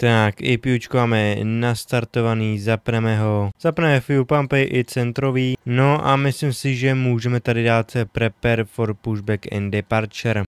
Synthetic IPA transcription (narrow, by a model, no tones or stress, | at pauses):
t̪akɪ̰pjut͡ʃkovaːmɛnast̪aɾt̪o̞vaniːzapnɛmɛɦo̞z̥apnɛmɛfupampɛʔɪt͡sɛnt̪ɾo̞viːno̞ʔamɪslimsɪʒɛmuːʒɛmɛt̪adɪdaːt̪pɾɛpɛɾfoɾpuʒbɛkɛ̰ndɛpaɾt͡ʃɛɾ